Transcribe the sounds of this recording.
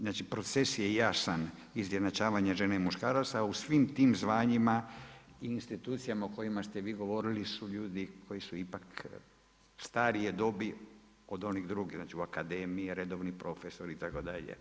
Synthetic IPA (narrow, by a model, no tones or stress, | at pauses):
znaːt͡ʃipɾo̞t̪sesjejasan | izjenat͡ʃaːʋaɲaʒe̞naimuʃkaːɾat̪sausʋimt̪iːmzʋaːɲimaiinst̪it̪uːt̪sijamaoko̞jimast̪e̞ʋiːɡo̞ʋo̞ɾilisuʎuːd̪ikʰo̞jisuipak | st̪aːɾied̪o̞bi | o̞d̪o̞niɣd̪ɾuɡiɣznaːt͡ʃiuakad̪eːmiiɾed̪o̞ʋnipɾo̞feso̞ɾit̪ako̞d̪aʎḛ